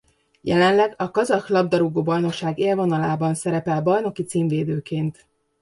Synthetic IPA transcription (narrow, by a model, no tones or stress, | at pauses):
jɛ̰lɛnlɛɡɒkɒzɒxlɒb̚d̪ɒɾuɡoːbɒjno̞kʃaːɡeːlvo̞nɒlaːbɒnsɛɾɛpɛlbɒjno̞kit̪siːɱveːd̪øːkeːnt̪